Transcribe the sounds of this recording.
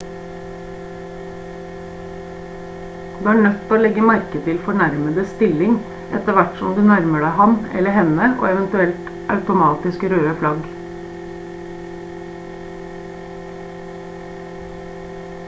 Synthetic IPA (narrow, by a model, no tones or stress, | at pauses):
d̪̥ʉːæːɳœt̪pʰoːoːlɛɡəmæɾkət̪ʰɪlfɔɳæɾməd̪əst̪ɪlɪŋ | ʔɛ̰t̪əʋæʈsɔmd̪ʉːnæɾməɖæɪhɑmɛ̰ləhɛnəʔo̰ːɛʋənt̪ʉɛlt̪ | ʔɑʉt̪ʊmɑːt̪ɪskɾøːəflɑɡ